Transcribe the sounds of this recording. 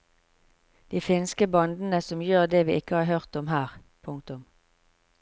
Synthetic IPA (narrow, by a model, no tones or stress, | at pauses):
d̪̥iːfɪnskəbɑnd̪n̩əsɔmjøːʁd̪eːʋiːʔɪkəhɑːʁhœʁt̪ɔmɦæːʁ | pʰʊŋk̚t̪ʊm